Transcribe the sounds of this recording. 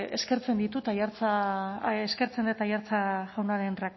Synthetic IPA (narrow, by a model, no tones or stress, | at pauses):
eske̞ɾt͡se̞nd̪it̪ut̪ajaɾt͡sa | eske̞ɾt͡send̪et̪ajaɾt͡saɣawnaɾenrak